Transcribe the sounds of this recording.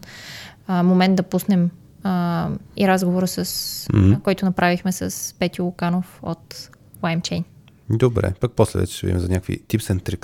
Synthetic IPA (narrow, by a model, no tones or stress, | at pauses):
momɛnd̪d̪ɐpusnɛm | əiɾazɡovoɾəsɐs̩kɔjt̪ʊnɐpɾavixmɛsɐspɛt̪ilˠʊkanofo̰t̪ | wajmt͡ʃɛjn | d̪obɾɛ̰pak̚poslɛ̰vɛ̰t͡ʃɛ̥ʃɛvḭd̪ʲimɛzɐnʲakvḭt̪ipsɛnt̪ɾik